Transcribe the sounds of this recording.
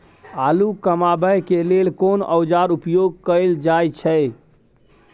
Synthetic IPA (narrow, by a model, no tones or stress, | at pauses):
alukəmabəjkelelkonə̰wd͡ʒaɾupjoɡ̚kəɪld͡ʒajt͡ʃʰɛ